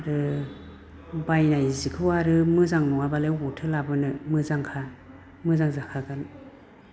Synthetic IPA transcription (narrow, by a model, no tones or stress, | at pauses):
ɾɯ | bajnajzikʰɯwaɾɯmɯzaŋnuŋabaleɦutʰɯlabɯnɯmɯzaŋkʰa | mɯzaŋzakʰakan